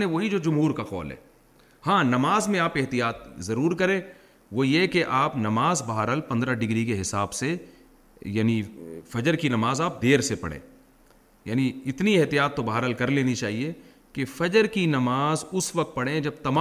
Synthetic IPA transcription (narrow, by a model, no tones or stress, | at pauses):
ẽʋoɦid͡ʒoːd͡ʒʊmɦuːɾkaxɔ̰ːlɦɛ̰ː | hãːnɐmaːzmẽaːpɪɦt̪ijaːt̪zɐɾuːɾkɐɾẽː | ʋojekeʔaːpnɐmaːzbɐɦaːɾəlpɐ̃nd̪ɾaɖɪɡɾikeɦɪsaːbse | jaːnifɐd͡ʒəɾkinɐmaːzaːp̚d̪eːɾsepɐ̰ɽ̤ḛ̃ː | jaːniɪt̪nieɦt̪ijaːt̪ːobɐɦaːɾəlkɐɾleːnit͡ʃaːɦie | kefɐd͡ʒəɾkinɐmaːzʊsʋɐk̚t̪̚pɐɽẽd͡ʒɐb̚t̪ɐmaː